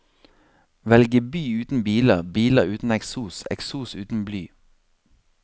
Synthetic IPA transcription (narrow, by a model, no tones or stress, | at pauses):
ʋɛlɡəbyːʉːt̪n̩biːləʁbiːləʁʉːt̪n̩ɛksuːsɛ̰ksuːsʉːt̪n̩blyː